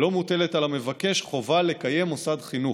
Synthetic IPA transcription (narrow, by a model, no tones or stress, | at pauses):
lo̞mute̞letalame̞vake̞ʃχo̞vale̞kaje̞mosadχinu